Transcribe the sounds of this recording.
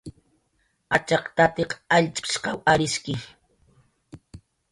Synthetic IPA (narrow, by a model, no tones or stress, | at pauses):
at͡ʃɑqt̪at̪eqaʎt͡ʃʼɪ̥ʃqɑwaɾɪskɪ